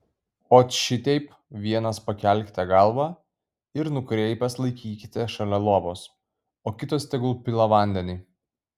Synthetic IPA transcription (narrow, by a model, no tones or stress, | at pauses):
oːʃʲɪt̪ʲɛɪp | ʋʲiɛnɐspɐkʲɛˑlʲkʲɪ̥t̪ʲɛɡɑlˠʋɑ | ɪɾnʊkɾʲɛɪpʲɛslˠɐɪkʲiːkʲɪt̪ʲɛʃɐlʲɛlˠuɔboːs | oːkʲɪt̪oːsʲt̪ʲɛɡlˠupʲɪlˠɐʋɐˑnʲd̪ʲɛnʲɪː